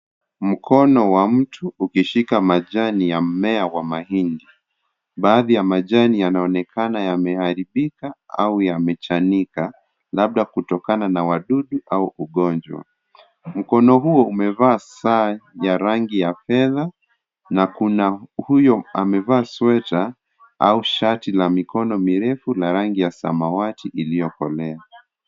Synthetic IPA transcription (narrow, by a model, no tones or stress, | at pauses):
m̩kʰɔnɔwam̩tʰuːkiʃikamaʄanijam̩mɛawamahindi | ɓaːðijamaʄanijanaɔnɛkʰanajamɛhaɾiɓikaaujamɛt͡ʃanika | laɓ̚ɗakutɔkananawaɗuɗuʔauʔuɠɔnd͡ʒwa̰ | m̩kɔnɔɦuɔumɛvaːsaːjaɾaŋɡijafɛða | nakunahujɔamɛvaːswɛta | auʃatilamikɔnɔmiɾɛfulaɾaŋɡijasa̰mawatiʔilijɔkɔ̰lɛa